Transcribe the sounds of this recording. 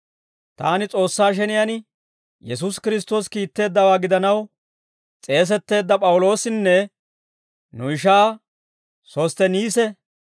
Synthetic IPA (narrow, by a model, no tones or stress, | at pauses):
t̪a̰ːnɪt͡sʼo̞ːsːaːʃ̬ɛnɪjɐn | jɛs̬us̬kɪɾɪs̬t̪o̞ːskiːt̪ːe̞ːd̪ːɐwaːɡɪd̪ɐnɐw | t͡sʼe̞ːs̬ɛt̪ːe̞ːd̪ːɐpʼɐwʊlo̞ːsɪnːɛ | nʊɪʃ̬aː | so̞ːst̪ɛniːsɛ